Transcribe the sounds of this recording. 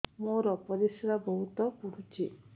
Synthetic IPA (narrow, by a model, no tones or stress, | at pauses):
moɾɔpɔɾisɾabɔɦut̪ɔpuɾ̤ut͡ʃʰi